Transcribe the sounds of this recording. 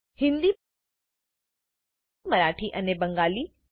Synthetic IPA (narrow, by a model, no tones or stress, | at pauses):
hɪ̃nd̪i | məɾaːʈʰiʔənebəŋɡaːliː